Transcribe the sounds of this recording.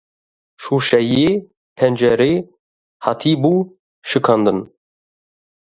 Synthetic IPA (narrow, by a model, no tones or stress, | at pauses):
ʃuːʃɛjeː | pʰɛnd͡ʒɛɾeː | hɑt̪ʰiːbuː | ʃɨkʰɑːnd̪ɨn